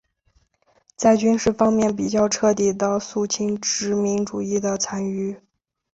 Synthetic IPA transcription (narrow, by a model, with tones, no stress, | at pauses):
t͡sa˥˩ɪt͡ɕy˥nʂɻ̩˥˩fɑ˥ŋmjɛ˥˩np̬i˨˩t͡ɕjɑ˥˧ʊʈ͡ʂʰɤ˥˧t̪i˥˩d̪ə˦su˥˩t͡ɕʰi˥nʈ͡ʂɻ̩˧˥mi˧˥ŋʈ͡ʂu˨˩i˥˩d̪ə˩t͡sʰa˧˥ny˥˩